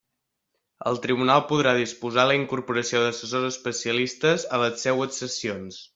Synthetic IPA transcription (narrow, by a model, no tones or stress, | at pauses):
ə̰lˠt̪ɾiβunalˠpuðɾaðispuzaləiŋkuɾpuɾəsioðəsəsozəspəsiəlist̪əzələsɛwəksəsions